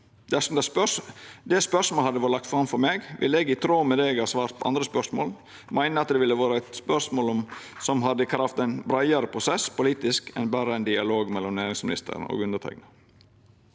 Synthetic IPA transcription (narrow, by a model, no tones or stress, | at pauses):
d̪æsɔmd̪ɛ | d̪ɛspœʂmoːlhɑd̪əʋoːɾəlɑkt̪fɾɑmfɔɾmeːɡʋɪ̰ləɛːɡɪt̪ʰɾoːmɛd̪ɛːɡhɑːsʋɑːɾt̪̚pʰɔʔɑ̰nd̪ɾəspœʂmo̰ːl | mæɪnəɑt̪̚d̪ɛʋɪlːəʋɑːɾəæɪt̪spœʂmoːlɔmsɔmɦɑd̪ːəkʰɾɑft̪æɪnbɾɑɪəɾəpʰɾʊsɛspʊliːt̪ɪskɛ̰nbæːɾəæɪnd̪ɪɑloːɡmɛlːɔmnæːɾɪŋsmɪnɪ̰st̪ʰə̰ɾno̰ːɡʉnətʰæ̰ɡnə